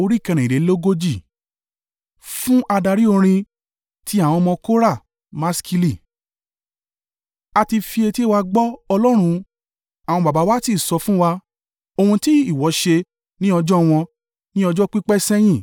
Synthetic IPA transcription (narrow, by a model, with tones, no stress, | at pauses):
o˧ɾi˦˨kɛ̃˧ɾ̃ɛ̃˨i˨ɾe˨˦lo˦ɡo˦d͡ʒi˦˨ | fũ˦ʔa˧da˧ɾi˦o˧ɾ̃ĩ˧ | ti˦a˦˨w̃ɔ̃˧mɔ̃˧ko˦ɾa˦˨ | ma˦ski˧li˦˨ | a˧ti˧fi˧e˧ti˦e˦wa˧ɡ͡bɔ˦ɔ˧lɔ˦ɾ̃ũ˧ | a˨w̃ɔ̃˧ba˨ba˨˦wa˦ti˦˨sɔ˧fũ˦wa˧ | o˧hũ˧ti˦i˦˨wɔ˨˦ʃe˧ | nĩ˦ɔ˧d͡ʒɔ˦w̃ɔ̃˧ | nĩ˦ɔ˧d͡ʒɔ˦k͡pi˦k͡pɛ˦sɛ̃˦j̃ĩ˦˨